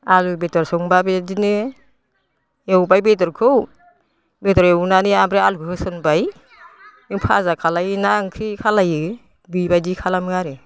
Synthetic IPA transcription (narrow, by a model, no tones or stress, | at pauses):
alubetɔɾsɔŋbabedinɯ | ewbajbetɔɾkʰɯw | betɔɾewnaniambɾealukʰɯhɯsɯnbaj | ɯŋpʰa̰zakʰalajnaŋkʰɾikʰalajɯ | bibajdikʰalamɯŋaɾɯ